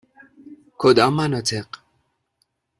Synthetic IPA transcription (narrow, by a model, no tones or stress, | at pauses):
kʰod̪amanat̪ʰeq